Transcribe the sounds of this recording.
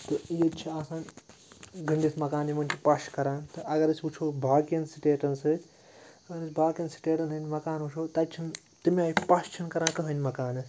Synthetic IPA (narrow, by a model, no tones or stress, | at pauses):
t̪ɨjet͡ʃʰiaːsãːn | ɡɐɳɖit̪ʰmɐkaːnimɐnʲt͡ʃʰipaʃkɐɾãːnt̪ɨʔɐɡɐɾɐsʰʲut͡ʃʰoːbʱaːkijɐnsiʈeːʈɐnsɨ | ɐɡɐɾɨsʲbʱaːkjɐnsi̥ʈeːʈɐnɨnʲmɐkaːnut͡ʃʰoːt̪ɐt͡ʃʰin | t̪imʲaːipast͡ʃʰinkɐɾãːkɐɦɐnʲmɐkaːnɐs